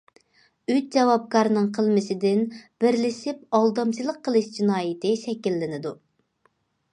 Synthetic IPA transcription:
yt͡ʃ̚d͡ʒɛwɑp̚kɑɾnɨŋqʰəlˠmɪsɪd̪ɪnb̥ɪɾlɪsɪp̚ɑlˠd̪ɑmt͡ʃɨlˠəqʰːəlˠɨʃd͡ʒinɑːjɪt̪ɪʃɛkʲilːɪnɪd̪u

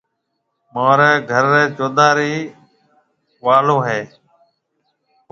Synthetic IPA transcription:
maːɾeːɡʱəɾːeːt͡ʃoːd̪aːɾiː | ʋaːloːɦeː

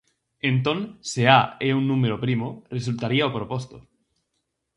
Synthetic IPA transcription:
ẽnt̪õnseaeunːũmeɾopɾimoresult̪aɾiaopɾopost̪o

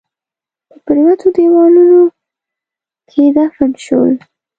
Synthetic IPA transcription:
p̪əpəɾiwat̪od̪ewɑnuno | kʰed̪afənʃo̰l

